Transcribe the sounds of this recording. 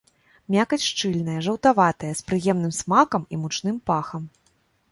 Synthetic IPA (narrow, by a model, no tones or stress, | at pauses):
mʲakɐt͡sʲʂt͡ʂɨlʲnɐjɐʐɐwt̪avat̪ɐjɐspɾɨjɛmnɨmsmakɐmimut͡ʂnɨmpaxɐm